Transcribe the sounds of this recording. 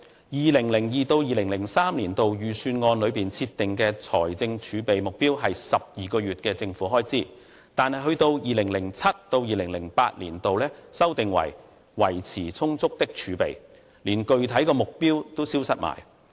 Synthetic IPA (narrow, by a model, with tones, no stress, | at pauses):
jiː˨lɪ˨˩ŋlɪ˨˩ŋjiː˨t̪o˧wjiː˨˩lɪ˨˩ŋlɪ˨˩ŋsaː˥mliː˨˩nt̪o˨wjyː˨˩syː˧nŋɔː˧nlɵ˨˧ɥpiː˨nt͡sʰiː˧t̪ːɪ˨ŋkɛː˧t͡sʰɔ̰ː˨˩jt͡sɪ˧ŋt͡ʃʰyː˨˧pe˨jmʊ˨k̚piː˥wɦɐ˨jsɐ˨p̚jiː˨kɔː˧ɥyː˨t̚kɛː˧t͡sɪ˧ŋfuː˨˥ɦɔː˥jt͡siː˥˩ | t̪aː˨nhɐ˨jɦɵ˧ɥt̪o˧wjiː˨lɪ˨˩ŋlɪ˨˩ŋt͡sʰɐ˥t̚t̪ːo˧wjiː˨lɪ˨˩ŋlɪ˨˩ŋpa̰ː˧t̚lḭː˨˩nt̪o˨wlɛː˥sɐ˥wt̪ɪ˨ŋwɐ̰˨˩j | wɐ˨˩jt͡sʰiː˨˩t͡sʰʊ˥ŋt͡sʊ˥k̚t̪ɪ˥k̚t͡ʃʰyː˨˧pe˨j | liː˨˩nkɵ˨ɥt̪ʰɐ˨˥jkɔː˧mʊ˨k̚piː˥wt̪o˥wsiː˥wsɐ˥t̚ma̰ː˨˩j